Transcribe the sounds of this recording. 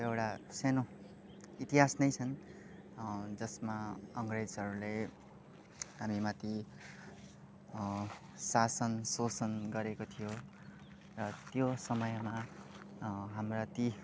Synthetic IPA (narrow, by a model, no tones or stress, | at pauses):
ewʈaseno | it̪iɦasnʌjt͡sʰʌn | d͡zʌsmaʌŋred͡zɦʌɾule | ɦamimat̪i | sasʌnsosʌnɡʌɾekot̪ʰijo | rʌt̪josʌmʌjma | ɦamrat̪i